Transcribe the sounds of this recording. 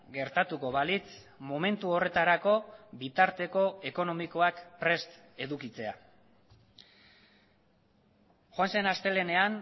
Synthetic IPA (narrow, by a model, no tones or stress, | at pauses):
ɡe̞ɾt̪at̪uko̞βalit͡s | mome̞nt̪uo̞re̞t̪aɾako̞bit̪aɾt̪e̞ko̞e̞ko̞no̞miko̞akpɾe̞st̪ | e̞ðukit͡se̞a̰ | xoanse̞nast̪e̞le̞ne̞an